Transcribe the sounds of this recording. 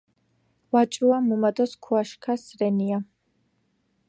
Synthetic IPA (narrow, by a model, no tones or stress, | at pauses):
wat͡ʃʼɾuamumad̪ɔskʰuaʃkʰasɾɛnia